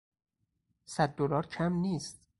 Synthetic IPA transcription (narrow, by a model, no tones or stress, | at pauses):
sæd̪̚ːolɒːɾcʰæmniːst̪̚